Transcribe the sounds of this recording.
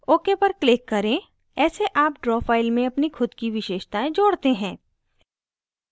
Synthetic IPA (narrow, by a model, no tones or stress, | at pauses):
oːkepɐɾklɪkːɐɾẽ | ɛːseʔaːpʈɾɔːfaːɪlmẽɐpnixʰʊd̪kiʋɪʃeːʃt̪aẽd͡ʒoːɽt̪eɦɛ̃ː